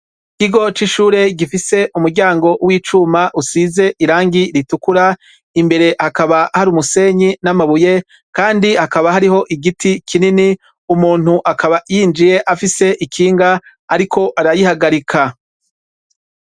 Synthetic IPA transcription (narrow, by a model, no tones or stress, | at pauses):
kiɡo̞t͡ʃiʃuːɾe̞ɡifise̞ʔumuɾɟaːŋɡo̞wiːt͡ʃumaʔusize̞ʔiɾaːŋɡiɾitukuɾa | imbe̞ɾe̞hakaβahaɾuːmuse̞ɲinamaβuje̞ | kaːndihakaβaɦaɾiɦo̞ʔiɡitikʰinini | umuːn̥huʔakʰaβajiːnd͡ʒije̞ʔafise̞ʔikʰiːŋɡa | aɾikʰo̞ʔaɾajihaɡaɾikʰa